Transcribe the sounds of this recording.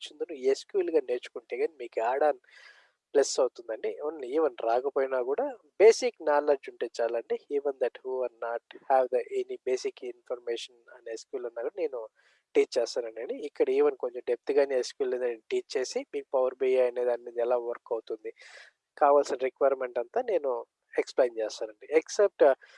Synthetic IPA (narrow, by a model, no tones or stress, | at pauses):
t͡ʃːind̪unueːskjuːlɡaːneːɾt͡ʃu̥kuɳʈeːɡaːnimiːkuaːɽan | plesɐwt̪und̪ɐɳɖiɐniːʋɐnɾaːkɐpoːjinaːkuːɽaː | be̞ːsiknaːled͡ʒuɳʈeːt͡ʃaːlɐɳɖiiːʋend̪ɐʈhuːʋɐɾnaːʈhɛːʋd̪ɐʔenibeːsikinpʰɐɾmeːʂɐnɐneskjuːlunːaːkuɽɐne̞ːnu | ʈiːt͡ʃt͡ʃːɛːst̪aːnɐɳɖɐɳɖiːkːɐɽɐiːʋɐnko̞ɲt͡ʃemɖep̚t̪iɡaːneːskuːlund̪ɐenʈiːt͡ʃt͡ʃːe̞ːsimiːku̥pɐʋɐɾbejaːjɐneːd̪aːnimind̪ɛlaːʋɐɾkːɐwut̪und̪i | kaːʋaːlsinɐɾikʋɐjɾme̞ɳʈɐnt̪aːne̞ːnu | eksplejnt͡ʃɛːst̪aːnɐɳɖieksep̚ʈ